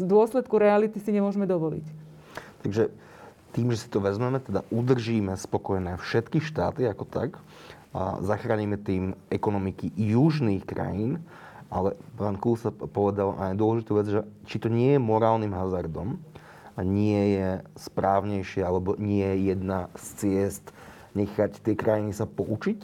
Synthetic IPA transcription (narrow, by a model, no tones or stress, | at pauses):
d̪ʊɔslɛt̪kuɾɛalit̪isiɲɛmʊɔʒmɛd̪ɔʋɔlḭc | t̪aɡʒɛ | t̪iːmʒɛsi̥t̪ɔʋɛzmɛmɛt̪ɛd̪a̰ʔud̪r̩ʒiːmɛspɔkɔjɛnɛːfʃɛt̪kiʃt̪a̰ːt̪iakɔ̥t̪a̰k | zaxɾaɲimɛt̪iːmɛkɔnɔmikijuʒniːxkɾa̰jiːn | ʔalɛpaːnkulsapɔʋɛd̪alʔa̰jd̪ʊɔlɛʒit̪uːʋɛd͡zʒɛt͡ʃit̪ɔɲɪɛjɛmɔɾaːlnimɦazaɾd̪ɔm | ɲɪɛjɛspɾaːʊɲɛjʃɪɛalɛbɔɲɪɛjɛjɛd̪nast͡sɪɛst̪ | ɲɛxact̪ɪɛkɾajinisapɔʔut͡ʃic